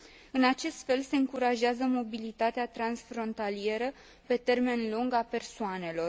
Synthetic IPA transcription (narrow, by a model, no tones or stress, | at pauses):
ɨnat͡ʃe̞st̪fe̞lse̞ɨŋkuɾaʒeazəmo̞bilit̪at̪eat̪ɾansfɾo̞nt̪alie̞ɾə | pe̞t̪e̞rme̞nluŋɡape̞rsoane̞lo̞r